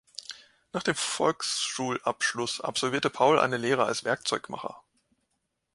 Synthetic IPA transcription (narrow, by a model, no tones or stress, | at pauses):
naːχd̥eːmfɔlksʃuːlʔapʃlʊsʔa̰pz̥ɔlviːɐtəpʰaʊlʔa̰ɪnəleːʁ̞əa̰lsv̥ɛɐk̚t͡sɔʏkma̰χɐ̰